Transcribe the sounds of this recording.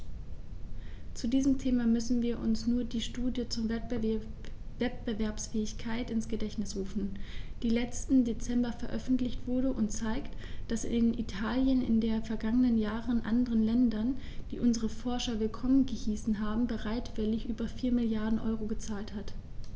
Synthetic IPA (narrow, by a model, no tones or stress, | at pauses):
t͡sudiːzəm̩tʰeːmamʏsn̩viːɐʔʊ̰nsnuːɐdiːʃtuːdjət͡suːɐ | vɛt̚b̥əvɛɐpsfɛːɪçkʰaɪtɪnsɡ̥ədɛçtnɪsʁuːfn̩d̥iːlɛt͡stn̩det͡sɛmbɐfɛɐʔœfn̩tlɪçtv̥ʊɐɾəʔʊntt͡saɪktd̥asɪ̰ɪdenʔḭtʰaːljənɪ̰ndeːɐfɛɐɡaŋənənjaːʁənʔa̰ndəʁənlɛndɐn | d̥ḭːʔʊnzəʁəfɔɐʃɐvɪlkʰɔmənɡəhiːsn̩ɦaːbm̩bəʁaɪtv̥ɪlɪçʔyːbɐfiːɐmɪljaɐdn̩ʔɔ̰ʏʁoɡət͡saːlthat